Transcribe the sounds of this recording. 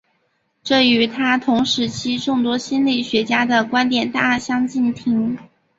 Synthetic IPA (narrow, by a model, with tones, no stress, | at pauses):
ʈ͡ʂɤ˥˩y˧˥t̪ʰa˥t̪ʰʊ˧˥ŋʂɻ̩˧˥t͡ɕʰi˥ʈ͡ʂʊ˥˩ŋt̪wɔ˥ɕi˥nli˥˩ɕɥɛ˧˥t͡ɕja˥d̪ə˨kwa˥nt̪jɛ˨˩nt̪a˥˩ɕjɑ˥ŋt͡ɕi˥˩nt̪ʰi˧˥ŋ